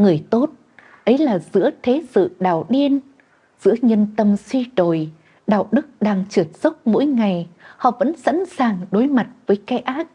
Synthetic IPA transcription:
ŋɨ˨˩əjt̪o˦˥t̚ | ʔə˨˦jlaː˨˩zɨ̰˧˥ət̪ʰe˨˦sɨ̰˧˨ɗaː˨˩wɗi˧ən | z̥ɨ̰˧˥əɲə˧nt̪ə˧mswi˧ɗo˨˩j | ɗaː˨˩wɗɨ˦˥k̚ɗaː˧ŋt͡ɕɨ˨˩ət̚z̥ə˦˥wk͡p̚mo̰˧˥jŋa˨˩jhɔ̰˧˨və̰˧˥nsa̰˧˥nsaː˨˩ŋɗo˨˦jma˨˩t̚vəː˨˦jkɛ˨˦ʔaː˦˥t̚

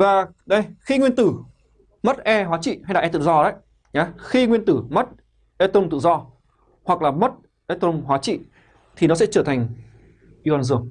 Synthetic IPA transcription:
vaː˨˩ɗə˧jxi˧ŋwi˧ənt̪ɨ˧˩ | mə˦˥t̚ʔɛ˧hwaː˨˦t͡ɕḭ˧˨ha˧jɗaː˨˩ʔɛ˧t̪ɨ̰˧˨zɔ˧ɗə˨˦j | ɲaː˨˦xi˧ŋwi˧nt̪ɨ˧˩mə˦˥t̚ | ʔe˧t̪o˧mt̪ɨ̰˧˨zɔ˧ | hwa˨˩k̚laː˨˩mə˦˥t̚ | ʔe˧t̪o˧mɦwaː˨˦t͡ɕḭ˧˨ | t̪ʰi˨˩nɔ˨˦sɛ̰˧˥t͡ɕəː˧˩t̪ʰa˨˩jŋ̟ | ʔi˧waː˧nzɨ˧˩əŋ

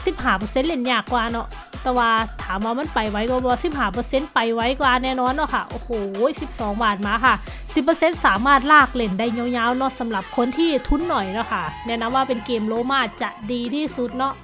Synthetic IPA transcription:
si˨˧˦p̚ɦaː˧˩p̬ɤː˧se˧˥nle˧˥˩nɲaː˧˩kːwaː˧nɔ˧˥ʔ | t̪ɛː˧˩waː˧t̪ʰaː˨˦mwaː˧ma˧˥˨npa˨˩jwa˧˥jkɔ˧˩bɛ˧˩wa˧si˧˦˩p̚haː˧˩p̬ɤː˧˦se˧˥˨npa˨˩jwa˧˥˨jkwaː˧˨nɛː˧˩˨nɔː˧˥˨nːɔ˧˥kʰa˧˩ʔoː˧˩hoː˨˩˦si˧˦p̚sɔː˨˦ŋbaː˨˩n̚maː˧˦kʰa˧˩ | si˨˧˦pːɤː˧se˧˥nsaː˨˦maː˥˩t̪̚laː˧˥˩k̚le˧˩nda˧˩˨jɲa˧˨wɲaː˧˥˨wnɔ˧˥sa˨˦mla˨˦p̚kʰo˧˥˨nt̪ʰiː˧˩t̪ʰu˧˥˨nːɔ˨˩jnɔ˧˥˨kʰa˧˩nɛː˧˨na˧˥mwaː˧pe˨nkeː˧˩mloː˧˦maː˧˩t̪̚t͡ɕa˧ʔdiː˧t̪ʰiː˧˥˩su˧˦t̪̚nɔ˧˥˨ʔ

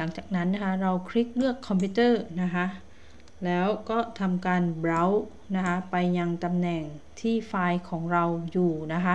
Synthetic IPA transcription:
la˩˦ŋt͡ɕaː˨˩k̚na˦˥nːa˦˥kʰa˦˥ɾa˧wkʰɾi˦˥k̚lɯ˥˩əkʰːɔ˧mpʰiː˦˥t̪ɤː˥˩na˦˥kʰa˦˥ʔ | lɛː˦˥wkɔː˥˩t̪ʰa˧mkaː˧nbɾa˦˥w | na˦˥kʰa˦˥pa˧jːa˧ŋt̪a˧mnɛ˨˩ŋt̪ʰiː˥˩faː˧jkʰɔː˩˦ŋɾa˧wjuː˨˩na˦˥kʰa˦˥

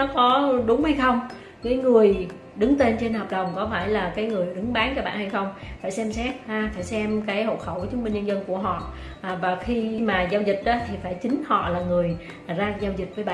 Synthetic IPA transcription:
nɔ˨˦kɔ˨˦ɗʊ˨˦ŋ͡mha˧jxə˧wŋ͡m | kaː˨˦jŋɨ˨˩əj | ɗɨ˨˦ŋt̪e˧nt͡ɕe˧nhəː˨˩p̚ɗə˨˩wŋ͡mkɔ˨˦faː˧˩jlaː˨˩kaː˨˦jŋɨ˨˩əjɗɨ˨˦ŋɓaː˨˦nt͡ɕɔ˧ɓa̰ː˧˨nha˧jxə˧wŋ͡mfaː˧˩jsɛ˧msɛ˦˥t̚ʔaː˨˧˩faː˧˩jsɛ˧mkaː˨˦jho̰˧˨t̚xə˧˩wt͡ɕɨ˨˦ŋ͡mmï˧nɲə˧nzə˧nku˧˩əɦɔ̰˧˨˩ | vaː˨˩xi˧maː˨˩zaː˧wzi˨˩k̚ɗɔ˨˦t̪ʰi˨˩faː˧˩jt͡ɕï˨˦ŋ̟hɔ̰˧˨laː˨˩ŋɨ˨˩əj | zaː˧zaː˧wzï˨˩t̚vəː˨˦jɓa̰ː˧˨

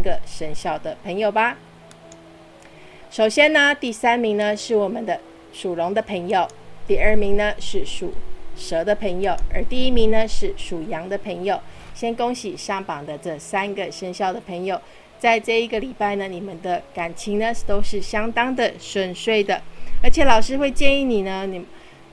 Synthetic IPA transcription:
ɡə˨ʂə˧˥nɕjɑ˥˩ʊd̪ə˩pʰə˧˥ŋjo˨˩ʊba˨ | ʂo˨˩ʊɕjɛ˥nnə˧t̪i˥˩sa˥nmi˧˥ŋnə˧ʂɻ̩˥˩wɔ˨˩mə˦nd̪ə˧˦ | ʂu˨˩lʊ˧˦˥ŋd̪ə˧pʰə˧˥ŋjo˨˩ʊt̪i˥˧ə˥˩mi˧˥ŋnə˧ʂɻ̩˥˩ʂu˨˩ʂɤ˧˥d̪ə˧pʰə˧˥ŋjo˨˩ʊə̰˞˧˥t̪i˥˩i˥mi˧˥ŋnə˧ʂɻ̩˥˩ʂu˨˩jɑ˧˥ŋd̪ə˧pʰə˧˥ŋjo˨˩ʊɕjɛ˥nko˥ŋɕi˨˩ɕɑ˥ŋpɑ˨˩ŋd̪ə˦ʈ͡ʂɤ˥˩sa˥nɡə˨ʂə˥nɕjɑ˥˩ʊd̪ə˩pʰə˧˥ŋjo˨˩ʊ | t͡sa˥˧ɪʈ͡ʂɤ˥˧i˧˥ɡə˨li˨˩pa˥˩ɪnə˩ni˨˩mə˦nd̪ə˦ka˨˩nt͡ɕʰi˧˥ŋnə˦t̪o˥ʊʂɻ̩˥˩ɕjɑ˥ŋt̪ɑ˥ŋd̪ə˨ʂwə˥˧˩nʂwe˥˩ɪd̪ə˩ə˞˧˥t͡ɕʰjɛ˨˩lɑ˨˩ʊʂɻ̩˥xwe˥˧ɪt͡ɕjɛ˥˧ni˥˩ni˨˩nə˦n˨

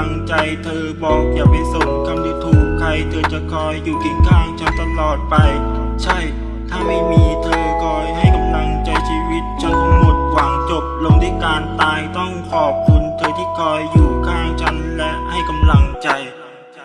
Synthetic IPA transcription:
ŋt͡ɕa˧jt̪ʰɤː˧bɔː˨˩k̚jaː˨˩pa˧jso˨˩p̚kʰːa˧mju˧˩t̪ʰuː˨˩kkʰːɾa˧jt̪ʰɤː˧t͡ɕa˨˩kʰɔː˧jːuː˨˩ki˧˩ŋkʰaː˥˩ŋt͡ɕʰa˦˥nt̪a˧mlɔː˨˩t̪̚pa˧j | t͡ɕʰa˥˩j | t̪ʰaː˥˩ma˥˩jmiː˧t̪ʰɤː˧kʰɔː˧jɦa˥˩jka˧mla˧ŋt͡ɕa˧jt͡ɕʰiː˧wi˦˥t̪̚t͡ɕʰo˧˦nka˧mno˨˩t̪̚kʰwaː˩˦ŋt͡ɕo˨˧˩p̚lo˧ŋt̪ʰiː˥˩kaː˧nt̪aː˧jt̪ɔ˥˩ŋkʰɔː˨˩p̚kʰu˧nt̪ʰɤː˧t̪ʰiː˥˩kʰɔː˧jːuː˨˩kʰaː˥˩ŋt͡ɕʰa˦˥nlɛ˦˧˥ʔha˥˩jka˧mla˧ŋt͡ɕa˧j

